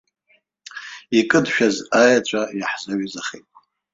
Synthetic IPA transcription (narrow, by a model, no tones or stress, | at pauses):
ikʼɨdʃᶣazajat͡ɕʷʰʼajaħzaɥizaχḛjtʼ